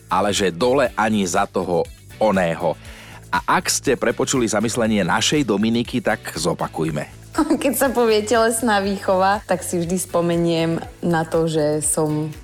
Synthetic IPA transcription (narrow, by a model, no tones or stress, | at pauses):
ʔalɛʒɛd̪ɔlɛʔaɲizat̪ɔɦɔ | ɔnɛːɦɔ | ʔaʔakscɛpɾɛpɔt͡ʃulizamislɛɲɪɛna̰ʃɛjd̪ɔminikit̪akzɔpakujmɛ̰ | kɛcsapɔʋɪɛcɛlɛsnaːʋiːxɔʋat̪aksivʒd̪ispɔmɛɲɪɛmnat̪ɔʒɛsɔm